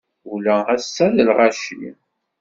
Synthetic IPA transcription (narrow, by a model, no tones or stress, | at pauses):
ulææsːæðəlʁaʃḭ